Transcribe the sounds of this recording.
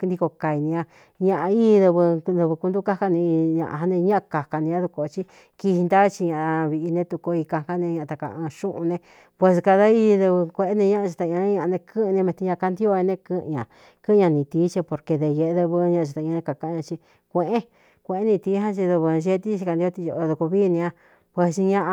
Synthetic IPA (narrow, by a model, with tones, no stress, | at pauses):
nd̪i˧ko˧ka˧˨i˧nĩ˧ã˧ | ɲã˧ʔa˧iː˦˧˦ðɨ˧βɨ˧ðɨ˧βɨ˧ku˧nd̪u˦ka˦ka˧nĩ˧ɲã̰˧ʔa˧ɦa˧nẽ˧ɲã˦ʔa˧ka˨ka˧nĩ˧ã˦ðu˧ko˧˨˧t͡ʃi˧ | ki˧hi˧nd̪a˦t͡ʃi˧ɲã˧ʔβi˧ʔi˧nẽ˧t̪u˧ko˧i˧ka˧ka˦nẽ˧ɲã˧t̪a˧kã̰˧ʃũ˦ʔũ˧nẽ˧ | pwe˧s̬ka˧ða˦i˧ðɨ˧βɨ˧kʷe˧e˦nẽ˧ɲã˦ʔa˧t͡ʃi˧t̪ã˧˨˧ã˧˦ɲã˧ʔa˧nẽ˧kɨ̃˦˧nẽ˧mẽ˧t̪i˧ɲã˧ka˧nd̪i˦o˧ɲe˧nẽ˧kɨ̃˧ɲã˨ | kɨ̃˦˧ɲã˧nĩ˧t̪iː˨˦t͡ʃi˧po˧ɾke˧ðe˧je˧˨e˧ðɨ˧βɨ˧ɲã˧ʔa˧t͡ʃa˧t̪a˧˨˧ã˧nẽ˧ka˧ka˧˦ɲã˧t͡ʃi˧ | kʷẽ˧ʔẽ˦ | kʷẽ˧˨ẽ˦nĩ˧t̪iː˧˦ɦã˦t͡ʃi˧ðɨ˧βɨ˧ʒe˦˧˦t̪i˦t͡ʃi˧ka˧nd̪i˧o˧t̪i˧jo˧o˧ðu˧ku˧βiː˦˧nĩ˧ã˧ | pwe˧sɲã˧ʔa˧